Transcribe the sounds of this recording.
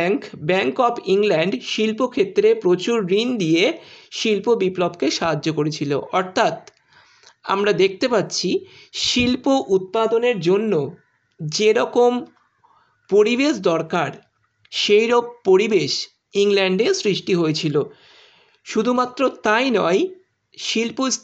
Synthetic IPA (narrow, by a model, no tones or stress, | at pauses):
ŋkbɛŋkɔpiŋlɛɳɖʃilpokʰet̪ːɾepɾot͡ɕuɾːind̪ieʃilpobiplɔbkeʃaɦad͡ʑːokoɾet͡ɕʰilo̰ʔɔɾt̪ʰat̪ | a̰mɾad̪ek̚ʰt̪epat̪ːɕʰi | ʃilpoʔut̪̚pad̪oneɾd͡ʑonːo | d͡ʑeɾɔkom | poɾibeʃd̪ɔɾkaɾ | ʃejɾobpoɾibeʃ | iŋlɛɳɖesɾiʃʈiɦojet͡ɕʰilo | ʃud̪ʱumat̪ːɾot̪ajnɔj | ʃilpo